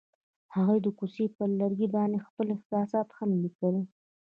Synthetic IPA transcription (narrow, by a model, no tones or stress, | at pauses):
haɣujd̪əkusepəlaɾɡibɑnexpəlɪxt̪sɑsɑt̪xənlikawi